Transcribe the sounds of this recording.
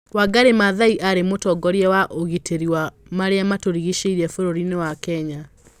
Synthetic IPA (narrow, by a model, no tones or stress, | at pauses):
waɡaɾemaðaiʔaɾemotɔɡɔɾjɛwaʔoɣitʰeɾiwamaɾeamatoɾiɣiʃeiɾɛfoɾoɾinewakɛɲa